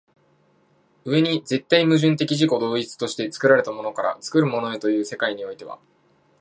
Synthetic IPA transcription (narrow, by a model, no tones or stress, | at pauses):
ɯ̟e̞ɲ̟id͡ze̞t̪ːaimɯ̟ʑɨ̃nt̪e̞kʲiʑiko̞d̪o̞ːit͡sɨ̥t̪o̞ɕi̥t̪e̞t͡sɨ̥kɯ̟ɾaɾe̞t̪amo̞no̞kaɾa̰t͡sɨ̥kɯ̟ɾɯ̟mo̞no̞e̞t̪o̞jɯ̟ːse̞kaiɲ̟io̞it̪e̞β̞a̰